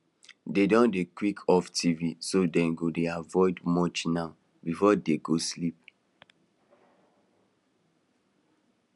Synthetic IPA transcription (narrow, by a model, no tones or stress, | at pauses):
dedɔ̃ndekwikʰɔftʰivisodɛ̃nɡodeavɔɪdmɔt͡ʃnaʊ | bifɔdeɡoslip̚